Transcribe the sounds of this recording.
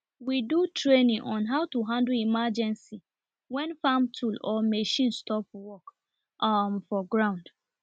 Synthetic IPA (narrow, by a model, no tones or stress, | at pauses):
widutɹenĩŋʔɔ̃nɦaʊtuɦãndlimad͡ʒɛ̃nsi | wɛ̃nfamtʰulɔmeʃĩnstɔpwɔk | mfɔɡɹãʊ̃nd